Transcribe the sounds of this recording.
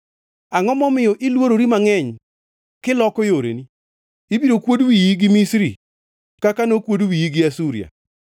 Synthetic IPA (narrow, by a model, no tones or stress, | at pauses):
aŋɔmɔmɪjɔʔɪlwoɾoɾimaŋɛɲ | kɪlɔkɔjoɾḛni | ibiɾokwodwijiɡɪmisɾḭ | kakanokwodwijiɡɪasuɾḭa̰